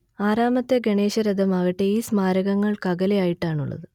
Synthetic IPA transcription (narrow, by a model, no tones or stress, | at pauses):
aːɾaːmɐt̪ːeɡeɳe̞ːɕɐɾɐd̪ʱɐmɐːɣɐʈːeiːsmaːɾɐɣɐŋːɐɭkɐɣɐlejaːjiʈːaːɳuɭːɐ̰ðɨ